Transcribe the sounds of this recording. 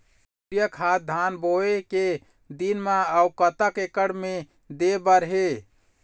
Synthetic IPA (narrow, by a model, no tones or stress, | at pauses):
jəkʰat̪̚d̪ʱanboeke | d̪inmãaukət̪əkekəɽme | d̪ebəɾɦe